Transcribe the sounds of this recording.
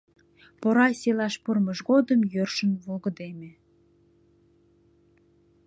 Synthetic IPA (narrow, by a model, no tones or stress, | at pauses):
poɾɑsʲelɑʃpurməʃɣod̪əmjørʃənvoɣə̆d̪emĕ